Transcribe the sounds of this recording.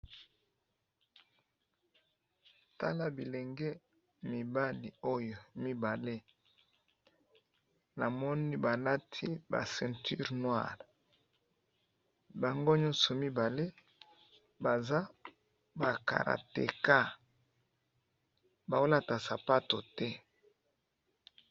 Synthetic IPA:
ta˦la˦bi˨le˨ŋɡe˦ | mi˨ba˦li˨o˦jo˨mi˦ba˨le˦ | na˨mɔ˦ni˦ba˨la˦tʰi˦ba̰˨sɛ̃˨ntʰy˦ʁnwa̰˦˨ʁ | ba˨ŋɡo˦ɲɔ̃˦nsɔ˨mi˦ba˨le˦ | ba˨za˦ | ba˨ka̰˨ɾa̰˨tḛ˨ka˦ | ba˨wo˦la˦ta˨sa˨pa˦to˨tɛ˦

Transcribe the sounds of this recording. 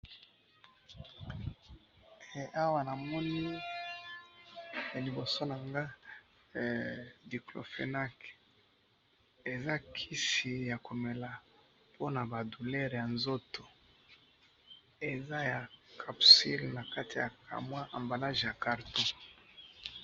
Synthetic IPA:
a˦wa˦na˨mɔ˦ni˦˨ | li˨bo˨so˦na˨ŋɡa˦˨ | di˨klo̰˨fḛ˨na˦k | e˨za˦kʰi˦si˨ja˨ko˨me˨la˨ | pʰo˦na˨ba˨du˨lɛ˦ʁja˨nzo˦to˨ | e˨za˦ja˨kʰa˨psḭ˦lna˨ka˦ti˨ja̰˨ka̰˨mwa˦ʔa˨mba˨la˦ʒja˨ka˨ʁtõ˦

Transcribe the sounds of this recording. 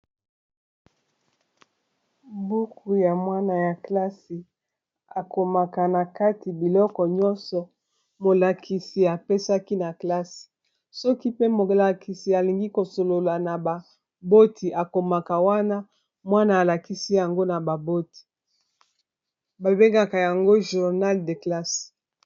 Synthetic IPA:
bu˦ku˨ja˨mwa˦na˨ja˨kla˦si˨ | a˨ko˨ma˨ka˨na˨ka˦ti˨bi˨lɔ˦kɔ˨ɲɔ̃˦nsɔ˨ | mo˨la˨kʰi˨si˨a˨pe˦sa˦ki˦na˨kla˦si̥˨ | sɔ˦ki˦pe˦mo˨la˨ki˨si˨a˨li˨ŋɡi˦ko˨so˨lo˨la˨na˨ba˨ | bo˦tʰi˨ʔa˨ko˨ma˨ka˨wa˦na˦ | mwa˦naː˨la˨ki˦si˦ja˨ŋɡo˦na˨ba˨bo˦ti̥˨ | ba˨be˦ŋɡa˨ka˨ja˨ŋɡo˦ʒu˨ʁna˦lde˨kla˦s

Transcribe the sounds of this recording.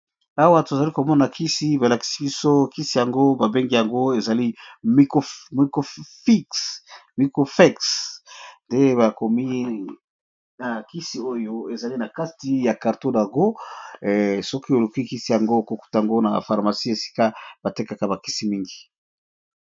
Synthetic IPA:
a˦wa˦to˨za˨li˦ko˨mɔ˦na˨kʰi˦si˨˦ba˨la˨ki̥˨si˦bi˦so˦ki˦si˨ja˨ŋɡo˦ba˨be˦ŋɡi˦ja˨ŋɡo˦e˨za˨li˦mi˦ko˨mi˨ko˨fi˦ksmi˨ko˨fɛ˦ks | nde˦ba˨ko˨mi˦ | na˨ki˦si˨o˦jo˦e˨za˨li˦na˨ka˦ti˦ja˨ka˨ʁto˦da˨ɡo˦˨ | sɔ˦ki˦e˨lu˨ki˦ki˦si˨ja˨ŋɡo˦ko˨ku̥˦ta˨a˨ŋɡo˦na̰˨fa˨ʁma˨si˦e˨si̥˦ka˦b̥a˨te˦ka˨ka˨ba˨ki˦si˨mi˦ŋɡi˨

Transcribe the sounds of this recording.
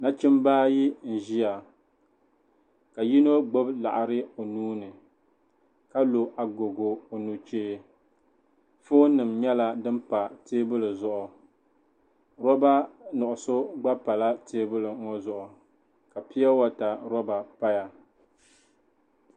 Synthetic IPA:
na˦t͡ʃɪ˦mbaː˦ji˦n̩˨ʒi˦ja˨ | ka˨ji˦no˦ɡ͡bo˦bla̰˨ʔa˨ɾɨ˦o˨nuː˦nɨ˨ | ka˦lo˨ʔa˨ɡo˨ɡo˨o˨nu˨t͡ʃeː˦ | fo˦nɨ˨mɲɛ˦la˦dɨ˦mpa˨teː˦bɨ˦lɨ˨zʊ˨ʔʊ˨ | ɾɔ˦ba˦nʊ˨ʔʊ˨so˦ɡ͡ba˦pa˨la˦teː˦bʊ˦lɨ˨ŋo˦zʊ˨ʔʊ˨ | ka˨pi˦a˦wa˦ta˨ɾɔ˦ba˨pa˦ja˨

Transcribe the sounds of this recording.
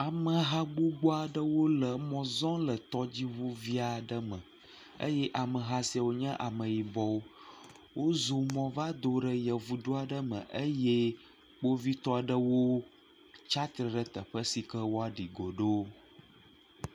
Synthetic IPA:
a˨mə̃˨ɦa˦ɡ͡bu˦ɡ͡bo˦a˨ɖə˦wo˦lə˨mɔ̃˨zɔ̃˦lə˨t̪ɔ˦d͡ʑi˦βu˦vi˦a˨ɖə˦mə̃˨ | ə̰˦jɛ˦ʔa˨mə̃˨ɦa˦si˦a˨wo˦ɲə̃˦ʔa˨mə̃˨ji˨bɔ˦wo˦ | wo˦zo˨mɔ̃˦va˦d̪o˨ɖə˨jə˨vu˨d̪o˦a˨ɖə˦mə̰̃˨ʔə˦je˦ | k͡po˦vi˦t̪ɔ˦a˨ɖə˦wo˦ | t͡ʃa˦t̪ɾə˨ɖə˨t̪ə˨ɸə˦si˨kə˦wo˦a˨ɖi˨ɡo˨ɖo˦

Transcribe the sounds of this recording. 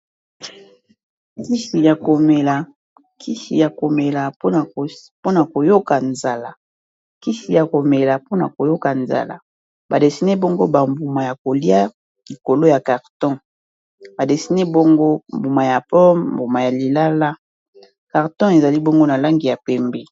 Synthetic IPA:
ki˦ʃi˨ja˨ko˨me˨la˨ | kʰi˦ʃḭ˨ja˨ko˨me˨la˨po˦a˨po˦na˨ko˨jo˦ka˨nza˨la˨ | ki˦ʃi˨ja˨ko˨me˨la˨po˦na˨ko˨jo˦ka˨nza̰˨la̰˨ | ba˨de˨si˦ne˦bɔ˦ŋɡo˦ba˨mbu˨ma˨ja˨ko˨li˦a˦ | li˨ko˨lo˦ja˨ka˨ʁtɔ̃˦ | ba˨de˨si˨˦ne˦bo˦ŋɡo˦mbu˨ma˨ja˨pɔ˦mmbu˨ma˨ja˨li˨la˦la˦ | ka˨ʁtɔ̃˦e˨za˨li˦bɔ˦ŋɡo˦na˨la˦ŋɡi˨ja˨pɛ˦mbɛ˨

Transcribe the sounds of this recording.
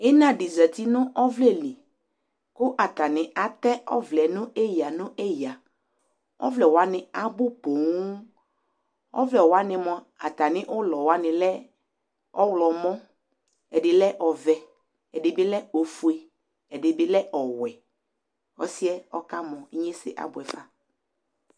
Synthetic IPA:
ɪ˦nã˦dɪ˨zɛ˨t̪i˦nʊ̃˦ʔɔ˦vlɛ˦˨li˨ | kʊ˦ʔa˨t̪a˨nɪ̃˨a˦t̪ɛ˦ɔ̰˦vlɛ˨nʊ̃˦ʔɛ˦ja˨nʊ̃˦ʔɛ˦ja˨ | ɔ̰˦vlɛ˨wa˦nɪ̃˨a˦bʊ˦po˨ŋu˦ | ɔ̰˦vlɛ˨wɔ˨˦a˦nɪ̃˨mɔ̃˨ | a˨t̪a˨nɪ̃˦ʔʊ˦lɔ˨wa˦nɪ̃˨lɛ˦ | ɔ˦wlɔ˨mɔ̃˦ | ɛ˨dɪ˨lɛ˦ʔɔ˨vɛ˨ | ɛ˨dɪ˨bɪ˦lɛ˦o˨fu˨e˨ | ɛ˨dɪ˨bɪ˦lɛ˦ʔɔ˨wɛ˨ | ɔ˦sɪ˦ɛ˦ɔ˦ka˦mɔ̃˨i˦ɲe˦sɪ̰˨ʔa̰˨bʊ˨ɛ˨fa˦

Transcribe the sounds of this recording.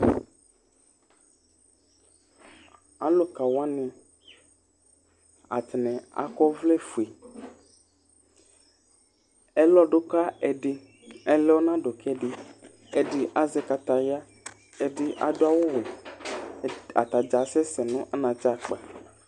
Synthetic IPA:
a̰˦lo˦ka˨wa˦nĩ˨ | a̰˨t̪nɛ̃˨a̰˨kɔ˦vlɛ˦fu˨e˨ | ɛ˦lɔ˦ɖo˦ka˦ɛ˨ɖɪ˦ | ɛ˨lɛ˦wo˦nã˦ɖo˨kʰɛ˦ɖɪ˨ | ɛ˨ɖɪ˨ʔa˨zɛ˦ka˨t̪a˨ja˦ | ɛ˨ɖɪ˦ʔa̰˨do˦a˦wo˦wɛ˨ | a̰˨t̪a˨d͡ʒa˨sɛ˦sɛ˨nʊ̃˦ʔa˦nã˨t͡ʃa˦˨k͡pa˨

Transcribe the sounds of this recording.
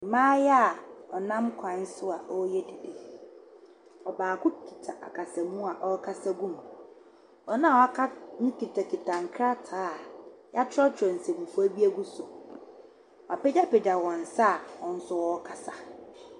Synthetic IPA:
m̩˨mãː˦jɛ˦a˨ɔ˨nã˦mkʰã˨˦n˦sʊ˦a˨ʔɔ˦jɛ˦dɪ˨dɪ˨ | ɔ˨baː˨kʊ˦kʰi̥˨tʰa˨ʔa̰˨kʰa˨sa˨mũ˦a˨ʔɔ˦kʰa˦sa˦ɡũ˦˨m˨ | ɔ˨nã˦˨wɔ˨a˦kʰa˦nũ˦kʰi˨tʰa˨kʰi˨tʰã˨ŋ˨kʰɾa˦tʰaː˨˦˨ja˦tʰʊ˦ɾɔ˦tʰɾɔ˨n̩˨sɛ˨ɡu˨fu˦æ˦bi˦æ˦ɡu˦sʊ˨ | ɔ˨a˨pɛ˦d͡ʒa˦pɛ˨d͡ʑa˨wɔ̃˨n̩˨sa˦a˨ɔ̃˨n̩˦sʊ˦wɔ˦kʰa˨sa˨

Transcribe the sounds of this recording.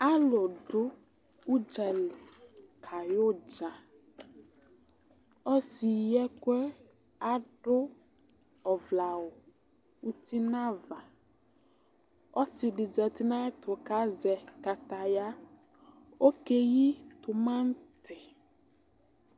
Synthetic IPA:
a˦lɔ˨ɖʊ˦u˦d͡ʒɛ˨le˨ | kʰa˨jo˦d͡ʒa˨ | ɔ˦si˨jɛ˦kɛ˦ | a˦ɖʊ˦ | ɔ˨vla˨wʊ˨ | u˦t̪i˦nã˦va˨ | ɔ˦sɪ˨ɖɪ˨d͡ʒɛ˨t̪i˦nã˦t̪ʊ˨ka˦zɛ˨ka˨t̪a˨ja˦ | o˦ke˦ji˦ | t̪ʊ˨mã˦n˦ | t̪ʰɪ˨

